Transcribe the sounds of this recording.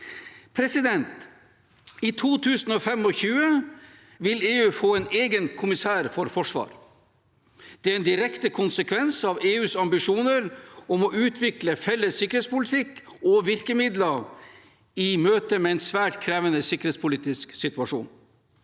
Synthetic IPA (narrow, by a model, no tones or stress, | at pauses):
pʰɾɛsɪd̪ɛnt̪ | iːt̪ʰuːt̪ʰʉːsn̩ɔːfɛmɔçʉːə | ʋɪleːʉːfoːɛneːɡənkʰʊmɪsæːɾfɔɾfɔʂʋɑ̰ːɾ | d̪̥ɛæɾɛnd̪ɪɾɛkt̪əkʰʊnsəkʰʋɛnsɑʋeːʉːsɑmbɪʂuːnəɾɔmɔʔʉːt̪ʰʋɪkləfɛlːəsːɪkːəɾet̪spʊlɪt̪ʰɪk | ɔʋɪɾkəmɪd̪lə | imøːt̪əmɛɛɪnsʋæːʈkʰɾɛːʋənəsɪkəɾheːt̪spʰʊliːt̪ɪsksɪt̪ʉɑʂṵːn